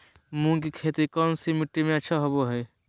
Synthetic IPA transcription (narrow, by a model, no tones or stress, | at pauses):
mũkikʰeːt̪ikɔnsimiʈːimẽɐtːʃʰaɦoboɦɛ